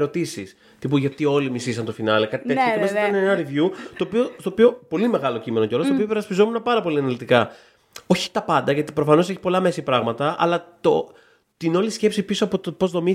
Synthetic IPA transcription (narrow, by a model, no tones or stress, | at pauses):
ɾo̞t̪isis | t̪ipuʝɐt̪io̞limisisɐnt̪o̞finɐlekɐt̪ieesiɐineenɐɾivjut̪o̞ːpio̞st̪oːpio̞po̞lime̞ɣɐlo̞cime̞noceo̞lostopiope̞ɾɐspizo̞munɐpɐɾɐpo̞liɐnɐlit̪ikɐ | o̞çi̥t̪ɐpɐnd̪ɐʝɐt̪i̥pɾo̞fɐno̞se̞çi̥po̞lɐme̞sipɾɐɣmɐt̪ɐɐ̰lɐt̪o | t̪ino̞lisce̞psipiso̞ɐpo̞t̪opo̞zðo̞mi